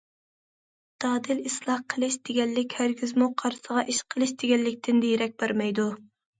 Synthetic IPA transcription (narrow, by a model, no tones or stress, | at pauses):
d̪̥ɑːd̪ɨlislˠɑqʰəlˠɨʃd̪̥ɪɡʲɛnlɪkʲhæɾɡʲʰyzmuqʰɑɾsəʁɑʔiʃqʰəlˠɨʃd̪̥eɡʲɛlːɪkʲt̪ʰɪnd̪ejeɾɛk̚ʲbæɾmɛjd̪u